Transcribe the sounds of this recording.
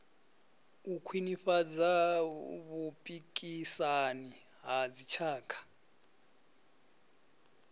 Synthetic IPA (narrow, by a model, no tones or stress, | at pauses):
ukʰwinifad͡za | βupʼikʼisani | ɦad͡zit͡ʃʰaːkʰḁ